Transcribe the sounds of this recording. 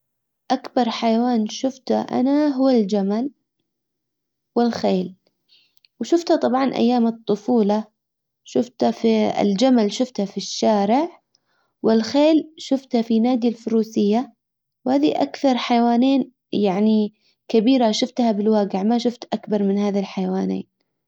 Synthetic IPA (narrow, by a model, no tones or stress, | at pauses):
ʔakbɑɾˤħajawaːnʃʊft̪aʔa̰naɦʊwald͡ʒamal | wɪlxeːl | wʃʊft̪hat̪ˤɑbʕɑnʔa̰jːaːmɨt̪ˤːʊfuːlɑ | ʃʊft̪afiɪ̰ld͡ʒamalʃʊft̪hafiʃːaːɾɪʕ | wɪlxeːlʃʊft̪hafinaːd̪jalfʊɾuːsɪjːa | whaːðiʔa̰kθɑɾˤħajwaːneːn | jaʕni | kabiːɾaʃʊft̪habɪlwaːɡɪʕmaʃʊft̪ʔakbɑɾˤmɪnhaːðalħajwaːnḛːn